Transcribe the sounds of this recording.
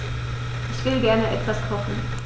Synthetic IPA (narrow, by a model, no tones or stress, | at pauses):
ʔɪçv̥ɪlɡɛɐnəʔɛtv̥askʰɔχn̩